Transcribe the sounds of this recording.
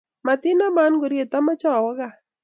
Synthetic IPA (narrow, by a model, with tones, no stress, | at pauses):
ma˨t̪ɪ˦na˦ma˦nɡo˨ɾje˨t̪a˦ma˦t͡ʃɔ˦˨wɔ˦ɡa˦˨